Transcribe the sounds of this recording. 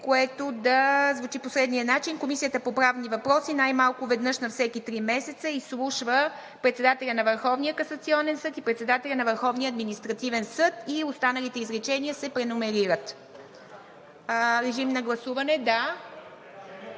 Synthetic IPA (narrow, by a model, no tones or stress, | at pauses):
koɛt̪od̪ɐzvut͡ʃiposɾɛd̪niənat͡ʃinkomisijət̪əpopɾavnivɐpɾɔsinajmalˠkʊvɛd̪nɤʃnɐfsɛkit̪ɾimɛsɛt̪səislˠuʃvə | pɾɛt̪sɛd̪at̪ɛlʲənɐvəɾxɔvnijəkɐsɐt̪siɔnɛnsɤt̪ipɾɛt̪sɛd̪at̪ɛlʲɐnɐvəɾxɔvniəɐd̪minist̪ɾɐt̪ivɛnsɤt̪iost̪anəlit̪ɛizɾɛt͡ʃɛniəsɛpɾɛnʊmɛɾiɾət̪ | ɾɛʒimnɐɡlˠɐsuvɐnɛd̪a